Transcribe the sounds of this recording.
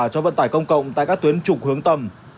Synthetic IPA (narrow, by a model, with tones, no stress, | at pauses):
t͡ɕɔ˧və̰˧˨nt̪aː˧˩jkə˧wŋ͡mkə̰˧˨wŋ͡mt̪a̰ː˧˨jkaː˦˥k̚t̪wi˨˦nt͡ɕʊ˨˩k͡p̚hɨ˨˦əŋt̪ə˧˩m